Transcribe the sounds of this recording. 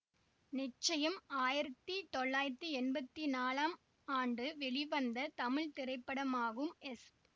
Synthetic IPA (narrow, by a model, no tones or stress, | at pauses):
nɪt͡ʃːɐjɐmaːjɪɾɐt̪ːit̪ɔɭːaːjɪɾɐt̪ːiɛnbɐt̪ːinaːlaːm | aːɳɖɯʋɛɭɪʋɐnd̪ɐt̪ɐmɪɭt̪ɪɾɐɪpːɐɽɐmaːɣɯmɛs